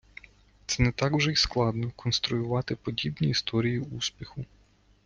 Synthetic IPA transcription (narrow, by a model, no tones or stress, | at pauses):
t̪sɛnɛt̪ɑkwʒɛisklˠɑd̪nɔkɔnst̪ɾʊjʊʋɑt̪ɪpɔdʲibnʲiːst̪ɔɾʲijiuspʲixʊ